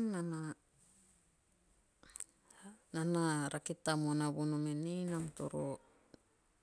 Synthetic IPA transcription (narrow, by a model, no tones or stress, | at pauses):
ana | nanaɾʔakitamonaβunumenenamto̰ɾo̰